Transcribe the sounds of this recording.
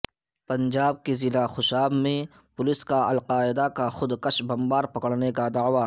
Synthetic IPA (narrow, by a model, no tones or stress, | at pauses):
pɐ̃nd͡ʒaːb̚kezɪlaxʊʃaːbmẽ | pʊlɪskaɐlqaːɪd̪akaxʊd̪kɐʃbɐmbaːɾpɐkəɽnekad̪aːʋa